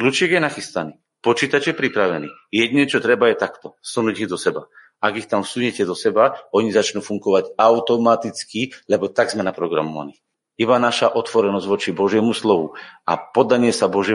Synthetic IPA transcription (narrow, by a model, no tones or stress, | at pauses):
klut͡ʃɪɛɡjɛnaxist̪aniː | pɔt͡ʃiːt̪at͡ʃjɛpɾipɾaʋɛnḭː | jɛd̪ɲɛt͡ʃɔt̪ɾɛbajɛt̪akt̪ɔsunuːɟiɣd̪ɔsɛba | aɡixt̪amfsuɲɛcɛd̪ɔsɛbaɔɲizat͡ʃnuːfuŋɡɔʋaɟaʊt̪ɔmat̪it͡skilɛbɔt̪aɡzmɛnapɾɔɡɾa̰mɔʋa̰ni | ibanaʃaʔɔt̪ʋɔɾɛnɔzɟʋɔt͡ʃibɔʒjɛmuslɔʋua̰pɔd̪aɲɪɛsabɔʒjɛ